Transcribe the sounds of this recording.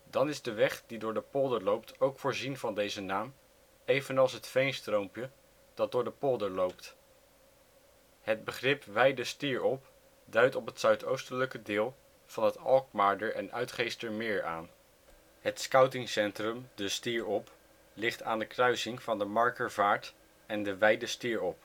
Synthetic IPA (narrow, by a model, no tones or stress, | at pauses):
dɑnɪzdəʋɛχdidʊːɹdəpɔlˠdəɹlowptʰowkfʊːɹzinvɑndejzənaːm | ejvənɑlˠsɦətfejnstrowmpjə | d̥ɑt̚dʊːɹdəpɔlˠdəɹlowpt | ɦəd̚bəχrɪpʋɛjdəstiːɹɔp | dœɥtɔpɦətsœɥtowstələkədɪːlˠ | v̥ɑnɦətɑlˠk̚maːɹdəɹɛ̰nœ̰ɥtχejstəɹmɪːɹa̰ːn | ɦətskɑwtɪŋsɛntrəmdəstiːɹɔp | lɪχtaːndəkrœɥsɪŋv̥ɑndəmɑɹkəɹvaːɹt | ɛndəʋɛjdəstiːɹɔp